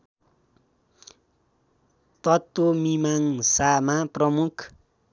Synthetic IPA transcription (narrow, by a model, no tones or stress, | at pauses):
t̪ʌt̪ːomimaŋsamaprʌmukʰ